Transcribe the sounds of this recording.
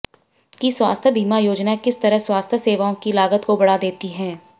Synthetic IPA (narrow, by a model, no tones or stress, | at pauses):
kiswa̰ːst̪ʰjəbiːmajoːd͡ʒnakɪst̪ɐɾəɦswaːst̪ʰjəseːʋaõkilaːɡət̪kobɐɽad̪eːt̪iɦɛ̃ː